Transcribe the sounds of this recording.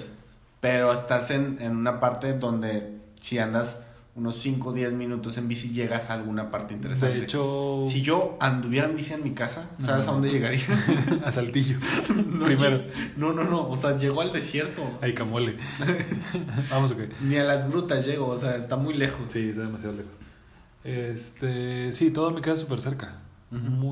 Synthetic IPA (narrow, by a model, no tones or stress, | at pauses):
pe̞ɾo̞est̪ase̞nenũnapaɾt̪e̞ðd̪o̞nd̪e̞ | siand̪as | uno̞sːiŋko̞ðje̞zmĩnut̪o̞se̞mbisiʝe̞ɣasalɣuunapaɾt̪e̞int̪e̞ɾesdaneneet͡ʃossiʝo̞and̪uβje̞ɾaumbisienmikasa | saβesaðo̞nd̪eeɣaɾiaasalt̪iʝonoɾimeɾono̞no̞no̞ːseaʝeɣoald̪e̞sje̞ɾt̪oajkamwele | bamos̬okenialazɡɾut̪asʝe̞ɣoːseaest̪amujle̞xossiest̪aðemasjaðolexos | est̪esit̪oðamikasasupeɾseɾka | m